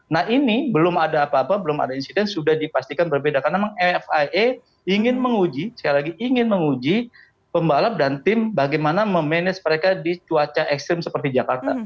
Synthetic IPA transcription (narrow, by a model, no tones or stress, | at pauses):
nahinibəlʊmadaːpaːpabəlʊma̰dainsidɛnsudahdipast̪ikanbərbedakaɾnamaŋɛɛfae | iŋɪnməŋud͡ʒisə̥kjalaɡiʔiŋɪnməŋud͡ʒi | pəmbalap̚dant̪ɪmbaɡajmanaməmɛnɛsməɾekadit͡ʃuat͡ʃaʔɛkst̪ɾɪmsəpərt̪id͡ʒakart̪a